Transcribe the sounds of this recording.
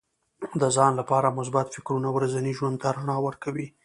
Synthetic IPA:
d̪əzɑnlapɑɾamʊs̬bat̪fɪkɾunawɾazaniʒwand̪̚t̪aɾaɳɑwəɾkawi

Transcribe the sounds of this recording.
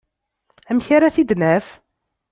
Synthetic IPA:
æmçaɾaθid̪næf

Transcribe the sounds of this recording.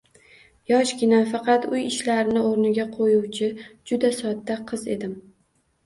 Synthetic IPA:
jɒʃɡʲɪnafɑqɑt̪ʊjɪʃlaɾɪnɪoɾnɪɡʲaqʰojuwt͡ʃʰɪd͡ʒʊd̪asɒd̪ːaqʰɨze̞̰d̪ɪm

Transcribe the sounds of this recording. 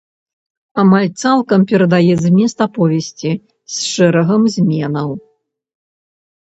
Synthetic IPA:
amalʲt̪salˠkɐmpʲɛɾɐd̪ajɛzmʲɛst̪ɐpɔvʲesʲt͡sʲi | sʂɛɾɐɣɐmzʲmʲɛnɐw

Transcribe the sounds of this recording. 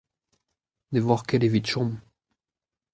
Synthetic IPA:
nevwaʁkɛlevit̪ʃɔ̃m

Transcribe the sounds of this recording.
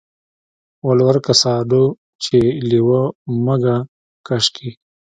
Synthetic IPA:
wɐlwɐɾkɐsaːɖo | t͡ʃʰeliwomɐɡa | kɐʂkʰi

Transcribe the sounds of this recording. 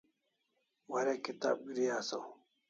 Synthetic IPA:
wɐɾekit̪a̰ːb̚ɡɾijaːsɐw

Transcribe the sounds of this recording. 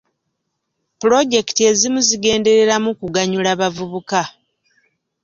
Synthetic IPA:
pulo̞ɟe̞ki̥tie̞zimuziɡe̞ːnde̞ɾe̞ɾamukuɡaɲulaβavuβuka

